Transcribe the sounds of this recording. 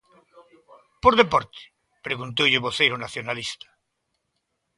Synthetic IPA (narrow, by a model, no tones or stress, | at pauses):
poɾðepoɾt̪e̥ | pɾeɣunt̪owʎeβoθejɾonaθjonalist̪ḁ